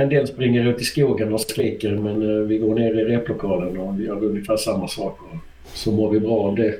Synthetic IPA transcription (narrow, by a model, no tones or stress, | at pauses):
ɛnd̪eːlspɾɪŋːəɾɵnt̪ʰːɪskuːɡənɔskɾɪːkːəɾmɛnvɪɡoːɳeːɾɪɾeːplʊkʰɑːlənɔvɪjœːɾɵnɡɪfæːʂamːasɑːkɔ | sɔmoːɾvɪbɾɑːɑvd̪ɛ